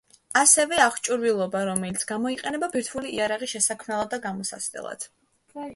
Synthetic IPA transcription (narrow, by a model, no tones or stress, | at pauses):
asɛvɛaχt͡ʃʼuɾvilˠɔbaɾɔmɛlit̪sʰɡ̥amɔiqʼɛnɛbabiɾt̪ʰvuliiaɾaʁiʃɛsakʰmɛlˠad̪aɡamɔsa̰sd̪ɛ̰lˠa̰d̪̥